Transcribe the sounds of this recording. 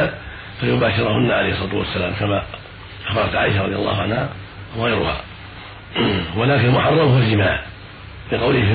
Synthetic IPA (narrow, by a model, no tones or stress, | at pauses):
a | fajʊbaːʃɪɾˤhʊnːaʕalejhɪsˤɑt̪ṵwa̰sːalaːmkama | ʔafɑɾˤɑ̰t̪ʕa̰ːʔɪʃaɾˤɑ̰d̪ijalˤːɑ̰ːhʊʕanha | waɣajɾʊ̰ha̰ | walaːkɪnalmʊħɑrˤːɑmhʊwazɪmaːʕ | bɪqɑwlɪhɪfɪ